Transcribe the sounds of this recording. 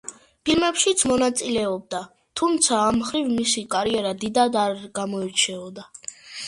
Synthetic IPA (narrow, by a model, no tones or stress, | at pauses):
pʰilmɛpʃit̪sʰmɔnat̪sʼilɛɔb̚d̪a | t̪ʰumt̪sʰaːmχɾivmisikʼaɾiɛɾad̪id̪ad̪aɾɡamɔɛɾt͡ʃʰɛɔd̪a